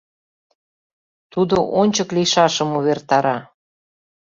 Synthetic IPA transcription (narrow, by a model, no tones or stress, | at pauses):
t̪ud̪oʔonʲt͡ɕəklijʃɑʃəmuβert̪ɑɾɑ